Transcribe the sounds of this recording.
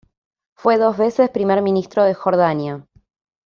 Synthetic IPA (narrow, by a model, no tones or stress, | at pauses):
fwe̞ðo̞zβe̞se̞spɾimeɾmĩnist̪ɾoðexo̞ɾðanja